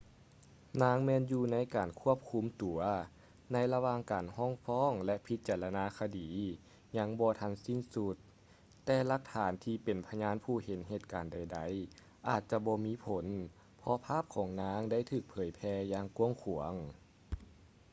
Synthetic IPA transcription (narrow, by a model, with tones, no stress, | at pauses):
naː˧˥ŋmɛː˧˨njuː˧na˧˥˨jkaː˨˩nkʰu˧˥˩əp̚kʰu˧˥mt̪u˨˩˦ɐ | na˧˥jla˧waː˧ŋkaː˨˩nhɔː˧˥˨ŋfɔː˧˥˨ŋlɛ˧˥ʔpʰi˧˦t̪̚t͡ɕaː˨˩la˧naː˧˥kʰa˧diː˨˦ | ɲa˧˥ŋbɔː˧t̪ʰa˧˥nsi˧˥˩nsu˧t̪ː | ɛː˧la˧˥k̚t̪ʰaː˨˦nt̪ʰiː˧pe˨˩npʰa˧ɲaː˧˥˨npʰuː˧˩he˨˦nɦeː˧˩t̪̚kaː˨˩nda˨˩jda˨˦j | ʔaː˨˩t̪̚t͡ɕa˧bɔː˧miː˧˥pʰo˨˦n | pʰɔ˧pʰaː˥˨p̚kʰɔː˨˩˦ŋnaː˧˥ŋda˥˨jt̪ʰɯː˧˩k̚pʰɤː˨˦jpʰɛː˧jaː˧ŋku˧˥əŋkʰu˨˩˦əŋ